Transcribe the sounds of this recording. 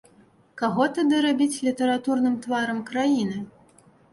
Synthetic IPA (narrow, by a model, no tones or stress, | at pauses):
kaɣɔt̪ad̪ɨɾabʲit͡sʲlʲit̪ɐɾat̪urnɨmt̪vaɾɐmkɾajinɨ